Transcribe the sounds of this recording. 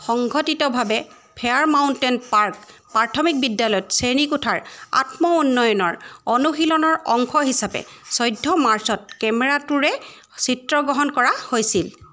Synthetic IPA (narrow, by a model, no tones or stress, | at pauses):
xɔŋɡʱɔtitɔbʱabɛ | pʰɛaɹmawntɛnpaɹkpatʰɔmik̚bidːjalɔjɔtsenikutʰaɹa̰tmɔunːɔjɔnɔɹɔnuxilɔnɔɹɔŋkʰɔɦisapɛ̰sɔjdʱːɔmaɹsɔt̚kɛmɛɹatuɹɛ | sitɹɔɡɔɦɔnkɔɹahojsil